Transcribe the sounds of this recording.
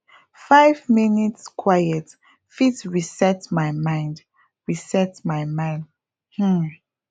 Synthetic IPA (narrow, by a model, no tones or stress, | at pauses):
faɪvminitskʰwajɛt | fitɹisɛtmajmãɪ̃nd | ɹisɛtmajmãɪ̃nd | h̩